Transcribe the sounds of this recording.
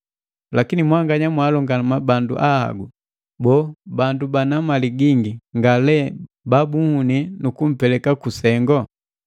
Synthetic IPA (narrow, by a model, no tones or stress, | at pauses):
lakinimwaŋɡaɲamwalɔŋɡanamabandṵʔaha̰ɡu | bɔbandubanamaliɡiŋɡiŋɡalɛ | babuhuninukum̩pɛlɛkakusɛŋɡɔ